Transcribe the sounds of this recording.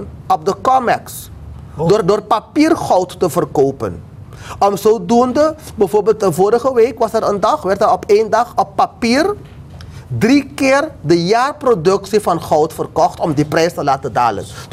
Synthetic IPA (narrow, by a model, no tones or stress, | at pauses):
nɔp̚dəkɔmɛks | doːrpapiːrχɔwtːəvərkowpə̰n | ɔmzowdundəbɛjvoːrbɪːlˠtəvoːɾəχəʋejkʋɑsɛrəndɑχʋɛrtərɔpendɑχɔpːapiːr | drikɪːrdəjaːrprodɵksifɑnχɔwtfərkɔχtɔmdiprɛjstəlaːtəda̰ːlə̰n